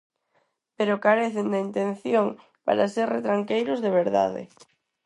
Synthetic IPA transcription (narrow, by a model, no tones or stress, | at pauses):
peɾokaɾeθɪnd̪aint̪ẽn̟θjoŋ | pa̰ɾaseɾret̪ɾaŋkejɾʊzðeβ̞eɾða̰ðɪ̰